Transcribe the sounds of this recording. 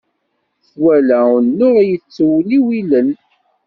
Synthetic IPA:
θwælænːʊʁjət͡sːwliwilən

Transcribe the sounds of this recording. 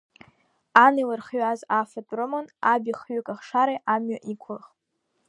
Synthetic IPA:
anilarχɥazafatʼromanabiχɥʊkʼaχʂaɾajʔamɥaʔikʷʰʊlχʼ

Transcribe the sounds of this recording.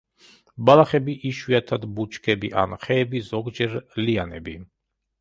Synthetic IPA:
balaχɛbiʔiʃwiat̪ʰad̪but͡ʃʰkʰɛbiʔa̰nχɛːbizɔɡd͡ʒɛɾlianɛ̰bi

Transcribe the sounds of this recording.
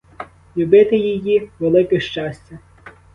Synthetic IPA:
lʲʊbɪt̪ɪjijiʋelˠɪkɪʃt͡ʃɑsʲt͡sʲɐ

